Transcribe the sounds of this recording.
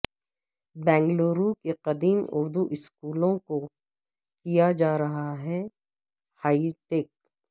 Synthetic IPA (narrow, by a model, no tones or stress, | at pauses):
bɛ̃ːŋɡloːɾukeqɐd̪iːmʊ̰ɾd̪uʔɪskuːlõko | kijad͡ʒaːɾɐɦaɦɛ | haːiʈeːk̚